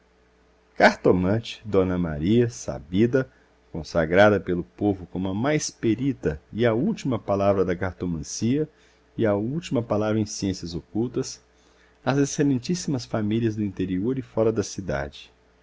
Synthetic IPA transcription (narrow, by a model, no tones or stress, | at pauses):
kaɾt̪omɐ̃t͡ʃɪ̥d̪õnɐma̰ɾiɐsa̰bid̪ɐ | kõsa̰ɡɾad̪ɐpelʊpovʊkõmʊɐmajspeɾit̪ɐɪɐuwt͡ʃimɐpalavɾɐd̪ɐkaɾt̪omɐ̃siɐ | ɪɐuwt͡ʃimɐpalavɾɐẽj̃siẽsiɐzokuwt̪ɐs | ɐzeselẽnt͡ʃisimɐsfamiliɐzd̪ʊĩnt̪eɾioɾɪfɔɾɐd̪ɐsid̪a̰d͡ʒɪ̥